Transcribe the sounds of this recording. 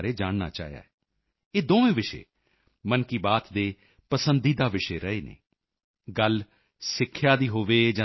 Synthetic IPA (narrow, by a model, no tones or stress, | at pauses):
ɾeːd͡ʒaːɳna̰ːt͡ʃa̰ːɦeja̰ːɛː | eːd̪oːʋẽːʋɪʃḛː | mənkiːbaːt̪d̪eː | pəsənd̪iːd̪aːʋɪʃeːɾəeːnḛː | ɡəl | sɪkʰːjaːd̪iːɦoːʋeːd͡ʒã